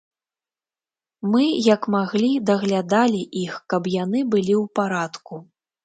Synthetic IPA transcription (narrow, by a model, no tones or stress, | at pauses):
mɨjɐkmaɣlʲid̪ɐɣlʲad̪alʲiʔixkɐpjanɨbɨlʲiwpaɾat̪ku